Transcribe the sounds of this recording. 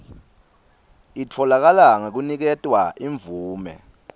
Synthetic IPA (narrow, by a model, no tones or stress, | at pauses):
itʰɔlak̬alaŋek̬unik̬ɛtʼwaʔiɱb̪vuːmɛ̰